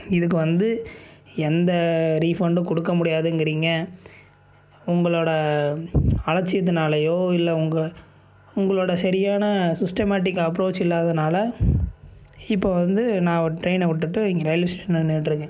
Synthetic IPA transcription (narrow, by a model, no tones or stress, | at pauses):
ɪðɯk̬ːɯʋɐnd̪ɯ | ɛnd̪ɐɾiːfɐɳɖɯ̃kɔɽɯkːɐmʊɽɪjaːðɯŋɡɪɾiːŋɡɐ | ʊŋɡɐɭoːɽɐ | ɐlɐt͡ʃːɪjɐt̪̬ːɯnaːlɐjoːɪlːɐʊŋɡɐ | ʊŋɡɐɭoːɽɐsɐɾɪjaːnɐsɪsʈɐmaːʈ̬ɪkːɐpːɾoːt͡ʃːɪlːaːðɐnaːlɐ | ɪpːoːʋɐnd̪ɯnãːʋɐʈɾɐɪnɐʋɪʈːɯʈːɯɪŋɡɐɾɐjlɐsʈeʂɐnɯneːʈːɾɯkːɯ̃